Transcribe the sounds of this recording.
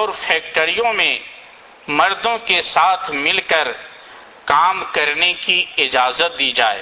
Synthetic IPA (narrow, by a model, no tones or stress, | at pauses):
ɔːɾfʰɛːk̚ʈəɾijõmẽ | mɐɾd̪õkesaːt̪ʰmɪlkəɾ | kaːmkɐɾnekiɪd͡ʒaːzət̪̚d̪iːd͡ʒa̰ːḛː